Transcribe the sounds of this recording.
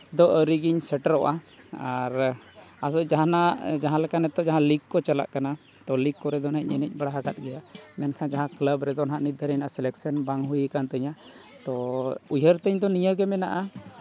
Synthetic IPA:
d̪ɔʔəɾiɡiɲsɛʈəɾɔʔa | aɾ | as̬ɔd͡ʒaɦanad͡ʒaɦãlɛkanɛt̪ɔd͡ʒaɦãliɡkːɔt͡ʃala̰ʔkana | t̪ɔliɡkːɔɾɛd̪ɔnɦac̚ɲɛnɛc̚ˀbaɽaɦaɡat̪̚ɡɛjamɛnkʰãd͡ʒaɦãkləbɾɛd̪ɔnaɦãʔnid̪ʱəɾɛɲnaʔasɛlɛksənbaŋɦujəkant̪əɲa | t̪ɔujəɾt̪əɲd̪ɔnijəɡɛmɛna̰ʔa

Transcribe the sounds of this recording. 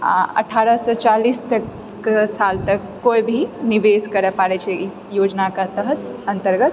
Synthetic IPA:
a̰ə̰ʈʰaɾəsɔt͡ʃalist̪əkː | esalt̪əkːoibʱiniʋeskəɾepaɾɛt͡ʃʰɛ | jod͡ʒnakat̪əɦət̪̚ə̃nt̪əɾɡət̪̚

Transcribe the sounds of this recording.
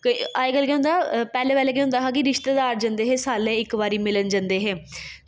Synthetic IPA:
kaːekalkɛːɦʊ̃nd̪aːpɛːlẽːpɛːleːkeːʊ̃nd̪aːɦaːk̬ɪɾɪʃt̪eːd̪aːɾd͡ʒãnd̪eːɦeːsaːlẽːɪkʋaːɾiːmɪlənd͡ʒãnd̪eːɦɛː

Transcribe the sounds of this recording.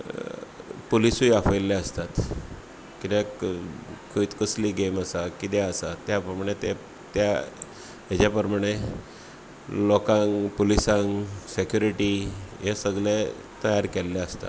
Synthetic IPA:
polisujafʰəlːaəst̪at̪ | kit̪e | kʰiit̪kəsliːɡeməsakit̪̬ɛəsat̪ːjapɾəmaɽ̃et̪e | t̪ja | ɦet͡ɕapəɾəmaɽ̃e | lɔkãŋpolisãŋsekjuɾiʈiɦesəɡle | t̪əjaɾkelːɛəst̪a̰t̪

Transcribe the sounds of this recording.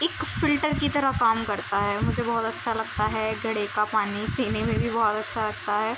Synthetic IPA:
ɪkfɪlʈəɾkit̪ɐɾəɦkaːmkɐɾt̪aɦɛːmʊd͡ʒʱebɔːt̪ɐtːʃʰalɐɡ̚t̪aɦɛɡɐɽekapaːnipʰiːnemẽbʱibɔːɔt̪ɐtːʃʰalɐɡt̪aɦɛː

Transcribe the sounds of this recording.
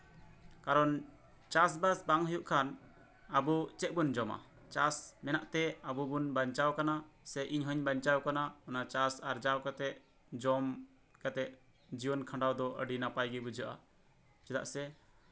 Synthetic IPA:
kaɾɔn | t͡ʃas̬basbaŋɦəjuʔkʰan | abut͡ʃɛʔ̚bund͡ʒɔma̰ | t͡ʃasmɛnaʔt̪ɛabubunbaɲt͡ʃawkanasɛjʔiɲɦəɲbaɲt͡ʃawkanaɔnat͡ʃasaɾd͡ʒawkat̪ɛʔ̚ | d͡ʒɔm | kat̪ɛʔ̚ | d͡ʒibɔnkʰãɳɖawd̪ɔʔə̰ɖinapajɡɛbud͡ʒəʔa̰ | t͡ʃɛd̪a̰ʔsɛ

